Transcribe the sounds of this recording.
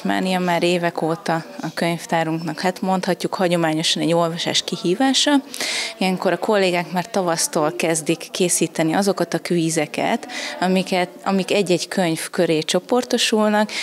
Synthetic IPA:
ma̰ːnijɒmaːɾeːvɛkoːt̪ɒɒkø̞ɲft̪aːɾuŋknɒkhat̪mo̞nt̪hɒcːukhɒɟo̞maːɲo̞ʃɒnɛɟːo̞lvɒʃa̰ːʃkihiːvaːʃɒijɛŋko̞ɾɒko̞lːeːɡaːkmaːrt̪ɒvɒst̪oːlkɛzd̪ikːeːsiːt̪ɛniɒzo̞kɒt̪ɒkʋiːzɛkɛ̰t̪ɒmikɛt̪ɒmikɛɟːɛɟkʰøɲfkø̞ɾeːt͡ʃo̞po̞rt̪o̞ʃulnɒk

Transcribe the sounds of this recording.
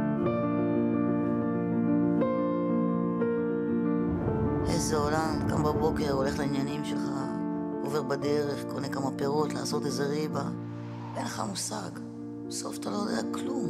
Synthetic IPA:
hḛzeo̞lamka̰mbabo̞ke̞ʁo̞le̞χlainjanimʃelχa | ove̞ʁbad̪e̞ʁe̞χkonekamapeʁot̪la̰ːso̞t̪ezeʁiba | enleχa̰musa̰ɡ | so̞̰fḁt̪alo̞jod̪ḛaklum

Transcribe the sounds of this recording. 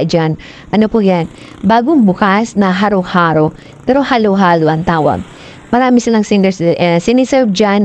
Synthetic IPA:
d͡ʒan | ʔɐnopʊjan | baːɡoŋbʊkasnɐɦaɾohaːɾo | pɛːɾo̞haloɦaːloʔɐŋt̪aːwɐ̰ | mɐɾaːmɪsɪlaŋsɪnd̪ɛssɪnɪsɛɹvd͡ʒan

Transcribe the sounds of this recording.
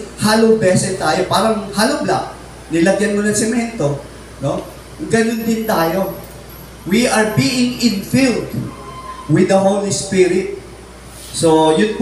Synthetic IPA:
haːlowbɛsɛst̪aːjopaːɾɐŋhaːlobla̰ʔ | nɪlɐɡjɐnmonɐŋsɛmɛnt̪o̞ | no | ɡɐnʊnd̪ɪnt̪aːjo̞ | wiʔɐɹbiːʔɪŋɪ̃nfild̪ | wɪd̪ɐɦowlispiɾɪt̪̚ | sojʊnp

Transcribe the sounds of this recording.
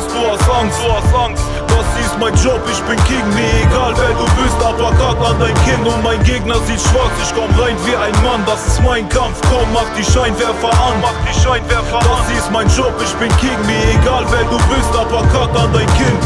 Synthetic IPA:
sd̥uːɑsaŋz̥uːɑsaŋ | d̥ɑsziːstmaɪnʒɔpɪʃb̥ɪnɡeːɡŋ̩miːɐeɡaːlvɛːduːvɪstɑpɐkʰatɑndaɪnkʰɪntʊntmaɪnɡeːɡ̚nɐziːtʃv̥at͡sɪʃkʰɔmʁaɪnviːʔaɪnmandɑsɪsmaɪnkʰamfkʰɔmmɑχt̚d̥iʃaɪnvɛːfɐʔanmɑχd̥iʃaɪnvɛːfɐd̥asziːstmaɪnʒɔpɪʃb̥ɪnɡeːɡŋ̩miːɐeɡaːlvɛːduːvɪstɑpakʰatɑndaɪnkʰɪnt

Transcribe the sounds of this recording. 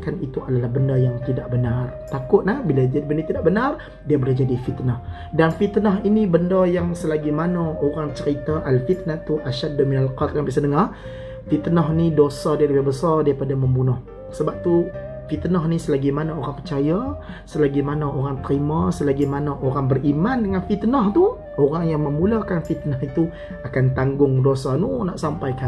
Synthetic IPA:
kanit̪uadalahbəndajaŋt̪idaʔbənart̪akʊt̪̚lahbilad͡ʒadibəndat̪idaʔbənar | diabəlad͡ʒadifit̪nah | danfit̪naɦinibəndajaŋsəlaɡimanaoɾaŋt͡ʃəɾit̪aʔalfit̪̚nat̪uʔaʃadminalqat̪ampiʔsənəŋar | fit̪naɦnidosadaləbɪhbəsardaɾipadaməmbunʊh | səbap̚t̪u | fit̪naɦnisəlaɡimanaoɾaŋpərt͡ʃaja | səlaɡimanaoɾaŋt̪əɾimasəlaɡimanaʔoɾaŋbərimandəŋanfit̪ənaht̪u | oɾaŋjaŋməmulakanfit̪nahit̪u | akant̪aŋɡʊŋdosanunaʔsampajka

